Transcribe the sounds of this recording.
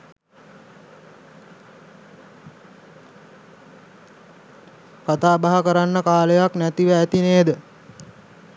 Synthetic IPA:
kat̪aːbaɦəkəɾanːəkaːləjaknæt̪iʋæːt̪ineːd̪ə

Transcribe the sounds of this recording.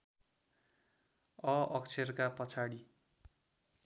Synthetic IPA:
ʌʌkt͡sʰerkapʌt͡sʰaɽi

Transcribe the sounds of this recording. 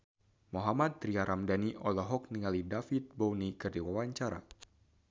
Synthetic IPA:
moɦamad̪̚ɾiaɾʔamdaniʔɔlɔɦɔk̚niŋalidafit̪̚bɔwnikɨrdiwawaɲt͡ʃaɾa̰

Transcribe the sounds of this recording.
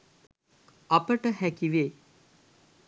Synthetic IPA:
apəʈəhækiʋe

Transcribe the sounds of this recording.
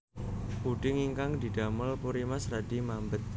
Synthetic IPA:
buɖɪŋiŋkaŋd̪i̤daməlpuɾimasɾadimambət̪̚

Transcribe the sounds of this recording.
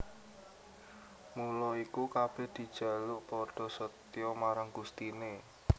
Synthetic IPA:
mulɔikukab̥ehd̪̥i̤d̥ʒ̥ä̤luʔpɔɖ̥ɔ̤sət̪jɔmaɾaŋɡ̥ust̪ine

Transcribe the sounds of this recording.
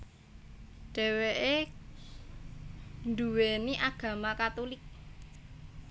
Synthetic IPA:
ɖ̥ɛ̤weʔe | nduweniʔaɡ̥ä̤makat̪ulɪk̚

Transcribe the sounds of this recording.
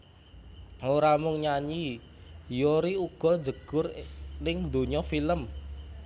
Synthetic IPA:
oɾamʊŋɲaɲi | joɾiuɡ̥ɔ̤̥d͡ʒəɡ̥ʊrnɪŋd̪o̤ɲɔfiləm

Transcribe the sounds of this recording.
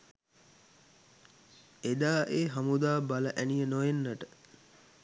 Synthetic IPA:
ed̪aːʔeːɦamud̪aːbaləʔænijənojenːəʈə

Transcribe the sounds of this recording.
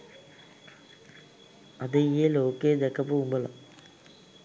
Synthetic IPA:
ɐðeijeloːkːed̪ekːɐpoːɣumboːɭɐ̰

